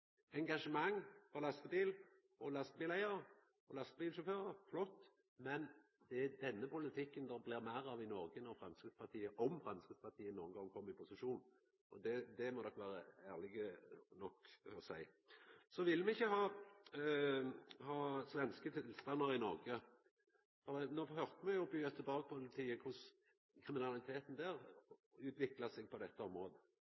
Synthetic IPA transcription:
ɛŋɡɑʂəmɑŋːfɔʁlɑst̪əbiːl | ɔlɑst̪əbiːlæɪəɾ | ɔlɑst̪biːlʃʊføːɾəɾflɔt̪ː | mɛn | d̪ɛæd̪ɛnːəpʊlət̪ʰɪkːənd̪ɔʁblɪʁmæɪɾɑʋɪnɔɾɡənɔʁfɾɑmskɪspʰɑt̪ʰiːəʔɔmfɾɑmskɪt̪spʰɑt̪ʰiːənuːənɡɑŋːkʰɔmːəɾɪpʰʊsɪʃuːnn | ʔɔd̪ɛd̪ɛmɔd̪ɔkːʋæːɾəæːʁlɪɡənɔkːɔsæɪ | sɔʋɪlmɛɪçːəhɑː | hɑːsʋɛnskət̪ʰɪlst̪ɑnːəɾɪnɔʁɡə | fɔmɛnoːhœʁt̪əmɛjʊbyːt̪ʰɪlbɑːɡəpʰʊlt̪ʰiːəkʰʊs | kʰʁɪmɪnɑlɪt̪ʰeːt̪n̩d̪æːʁʉːt̪ʋɪklɑsɛɡ̚pʰɔd̪ɛt̪ːəɔmʁoːd̪ə

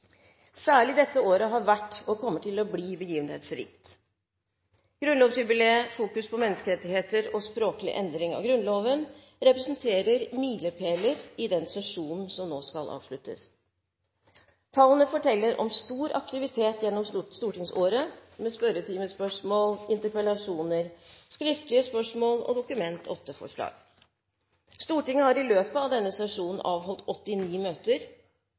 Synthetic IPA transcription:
sæːɭɪd̪ɛt̪ːəoːɾəɦɑɾʋæʈːɔkʰɔmːəʈʰɪlɔbliːbəjiːʋənhḛːt̪sɾḭːkt̪ | ɡ̥ɾʉnlɔːʋsjʉbɪleːfuːkʉspʰɔmɛnːəskəɾɛt̪ːɪheːt̪əɾɔspɾoːklɪ̰ʔɛnd̪ɾɪŋɑ̰ʋɡɾʉnloːʋən | ɾɛpɾɛsənt̪ʰeːɾəɾmiːləpʰeːləɾɪd̪ɛnsɛʂuːnn̩sɔmnoːskɑlʔɑ̰ːʋʂɭʉt̪ːə̰s | t̪ʰɑːlənəfɔʈʰɛlːəɾʔɔ̰mst̪uːɾɑ̰k̚t̪ɪʋɪt̪ʰeːt̪jɛnːɔmsst̪uːʈɪŋsoːɾəmɛspœɾət̪ʰiːməspœʂmoːlɪnt̪əɾpəlɑʂuːnəɾskɾɪft̪lɪəspœʂmoːlɔ̰d̪ʊkʉmɛnt̪ʰɔt̪ːəfɔ̰ʂɭɑ̰ːɡ̥ | st̪uːʈɪŋːəhɑɾɪløːpəɑʋd̪ɛnːəsɛʂuːnn̩ʔɑːʋɦɔlt̪ɔt̪ːɪniːmøːt̪əɾ

